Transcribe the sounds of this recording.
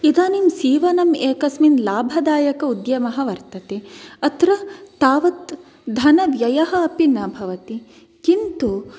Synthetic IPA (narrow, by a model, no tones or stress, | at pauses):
id̪aːnimsiːʋɐnɐmeːkɐsminlaːbʱɐd̪aːjɐkɐud̪jɐmɐɦɐʋɐɾt̪ɐt̪eːɐt̪ɾɐt̪ːaːʋɐt̪ | d̪ʱɐnɐʋjɐjɐɦɐ̆ɐpinɐbʱɐʋɐt̪i | kint̪u